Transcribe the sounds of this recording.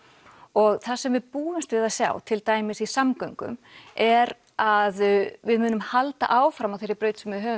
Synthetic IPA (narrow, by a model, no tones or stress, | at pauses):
ɔɣθasɛmvɪðpuːɪmst̪vɪðasja̰ːwt̪ʰɪlt̪aːjmɪsisamkœɥŋkʏ̰mɛɾ | aðvɪðmʏːnʏmhalt̪a̰ʔaːwfɾamawθejɾɪɾpɾœːɥt̪sɛmvɪðɦœː